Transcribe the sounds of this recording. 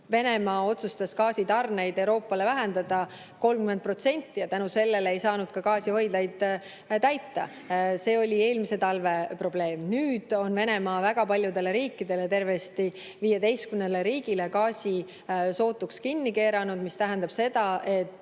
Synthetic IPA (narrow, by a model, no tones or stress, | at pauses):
ve̞ne̞mɑːo̞t̪sust̪ɑskɑːsit̪ɑrne̞jd̪̥e̞wɾo̞ːpːˑɑle̞væɦend̪ɑd̪̥ɑ | ko̞lmkyme̞nt̪̚pro̞t̪se̞nʲt̪ːˑijɑt̪ænuse̞lːe̞le̞jsɑːnud̪̥kɑkɑːsiho̞jd̪̥lɑjd̪̥ | t̪æjt̪ːɑ̰ | se̞ːo̞lʲie̞ːlmise̞t̪ɑlve̞pro̞b̥le̞ːmnyːd̪̥o̞nve̞ne̞mɑːvæɡ̥ɑpɑlʲjud̪e̞le̞ɾiːkːid̪̥e̞le̞t̪e̞rve̞st̪i | viːje̞d̪ejst̪kymnele̞ɾiːɡ̥ile̞kɑːsʲi | so̞ːt̪ːˑukskinːike̞ːɾɑnud̪̥mist̪æɦænd̪ɑb̥se̞d̪̥ɑʔe̞t̪ːˑ